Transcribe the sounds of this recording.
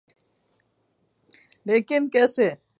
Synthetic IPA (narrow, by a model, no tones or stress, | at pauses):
leːkɪnkeːse